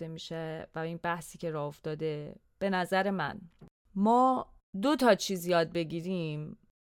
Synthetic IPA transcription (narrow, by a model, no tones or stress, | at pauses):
d̪emiːʃevæiːnbæhsiːcʰe̞ɾɒːoft̪ɒːd̪e̞ | b̥e̞næzæɾemæ̰n | mɒː | d̪o̞t̪ʰɒːt͡ʃʰiːzjɒːd̪̚be̞ɟiːɾim